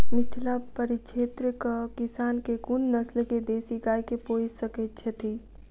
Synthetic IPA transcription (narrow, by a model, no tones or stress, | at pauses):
mɪt̪ʰlapəɾit͡ʃʰeːt̪ɾəkəkisaːnkekunnəslked̪eːsiɡajkeposəkɛt̪̚t͡ʃʰɛt̪ʰi